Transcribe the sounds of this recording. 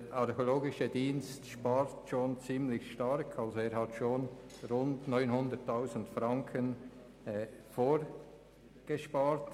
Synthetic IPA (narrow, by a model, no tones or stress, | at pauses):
ɑɾçoloːɡɪʃədiːnstʃpaːɾtʃoːnt͡siːmlɪçʃtɑɾkʰɑlzoeːɾhɑtʃoːnɾʊndnɔʏnhʊndətʰːaʊzn̩tfɾɑŋkʰən | foːɾ | ɡ̥eʃpaːɾt